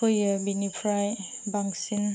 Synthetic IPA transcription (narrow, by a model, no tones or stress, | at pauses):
ojabinipʰɾaj | baŋsin